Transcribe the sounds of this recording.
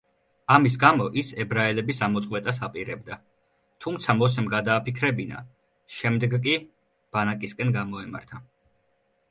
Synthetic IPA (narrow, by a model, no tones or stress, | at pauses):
amis̬ɡamɔʔisɛbɾaɛlɛbisamɔt̪sqʼwɛt̪ʼas̬apʼiɾɛb̚d̪a | t̪ʰumt̪sʰamɔs̬ɛmɡad̪aːpʰikʰɾɛbina̰ | ʃɛmd̪ɛɡkʼi | b̥anakʼiskʼɛnɡamɔɛma̰ɾt̪ʰa